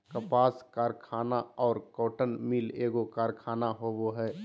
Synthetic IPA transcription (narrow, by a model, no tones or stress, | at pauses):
kəpaːskaːɾkʰaːnaɔːɾkoːʈənmileːɡokaːɾkʰaːnaɦoːboɦɛː